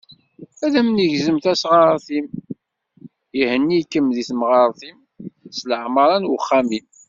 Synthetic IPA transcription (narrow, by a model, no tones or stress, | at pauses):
æðæmniʝzəmθæsʁɑɾɾˤθim | jihənːikːəmðiθmʁɑɾˤθim | sləʕməɾˤɑnwəχːæmim